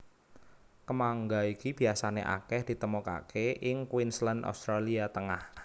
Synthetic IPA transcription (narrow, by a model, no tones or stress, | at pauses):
kəmaŋɡaikib̥i̤asaneʔa̰kɛhd̪̥i̤t̪əmoka̰keʔɪŋkwinsləno̰st̪ɾaliat̪əŋah